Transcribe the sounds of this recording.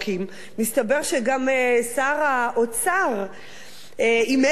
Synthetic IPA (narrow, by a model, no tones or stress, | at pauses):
kʰimː | istabe̞ʁʃeɡamesaʁaʔot͡saʁ | ime